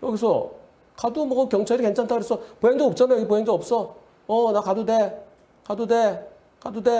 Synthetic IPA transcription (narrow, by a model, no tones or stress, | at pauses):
jʌɡisʰʌ | kadumʌɡkjʌŋt͡ɕʰaɾikent͡ɕʰantʰaɡɯɾes͈ʌpoɦeŋdop̚t͡ɕ͈anajoɡipoɦeŋdoʌp̚s͈ʌ | ʌnakadude | kadude | kadude